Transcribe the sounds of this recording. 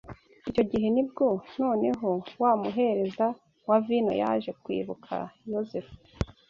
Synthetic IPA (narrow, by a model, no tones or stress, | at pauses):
ico̞ɟiɦe̞nibɡo̞no̞ːne̞ɦo̞waːmuɦe̞ɾe̞za | wavino̞̰ja̰ʒe̞kwḭːβukʰa̰jozef